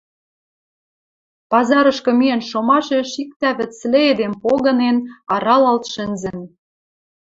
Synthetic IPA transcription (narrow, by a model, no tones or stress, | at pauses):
pɑzɑɾɤ̆ʃkɤ̆mienʃomɑʃeʃik̚t̪æβɘ̆sleed̪empoɣɤ̆nenɑɾɑlɑlt̪ʃɘ̆nzɘ̆n